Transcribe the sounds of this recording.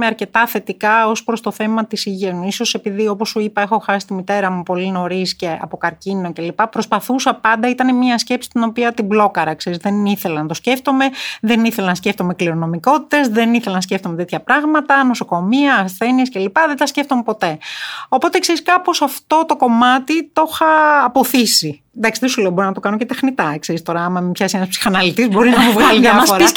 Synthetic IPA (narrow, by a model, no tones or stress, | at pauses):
meɐɾce̞t̪ɐθe̞t̪ikɐo̞spɾo̞st̪o̞θe̞mɐt̪isiʝenuiso̞se̞piðio̞posːuipɐe̞xo̞xɐsi̥st̪imit̪e̞ɾɐmupo̞lino̞ɾisce̞ɐ̰po̞kɐɾcino̞ce̞lipɐpɾo̞spɐθusɐpɐnd̪ɐit̪ɐnemiɐsce̞psi̥t̪ino̞piɐt̪iblo̞kɐɾɐkse̞ɾizðe̞niθe̞lɐnɐt̪o̞sce̞ft̪o̞me̞ðe̞niθelenɐsce̞ft̪omekliɾo̞no̞miko̞t̪i̥t̪e̞zðe̞niθelɐnɐsceft̪ome̞t̪et̪çɐpɾɐɣmɐt̪ɐno̞so̞ko̞miɐːsθe̞niesce̞lipɐðent̪ɐsceft̪o̞me̞po̞t̪e̞o̞po̞t̪e̞kse̞ɾiskɐpo̞sɐft̪o̞t̪o̞ko̞mɐt̪it̪o̞xɐːpo̞θisi | nd̪ɐksiðesuleobo̞ɾinɐt̪o̞kɐnocet̪exnit̪ɐkse̞ɾist̪o̞ɾɐɐmɐpçɐsienɐspsi̥xɐnɐlit̪izbo̞ɾinɐmuvɣɐliðɐfoɾɐ